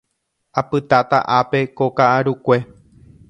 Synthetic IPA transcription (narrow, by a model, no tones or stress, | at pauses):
apɨt̪at̪a̰ʔape̞kokaʔaɾukʷe̞